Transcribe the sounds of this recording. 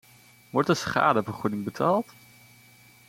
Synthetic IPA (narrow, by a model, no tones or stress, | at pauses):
ʋɔɹtdəsχa̰ːdəvəɹχudɪŋbətʰaːlˠt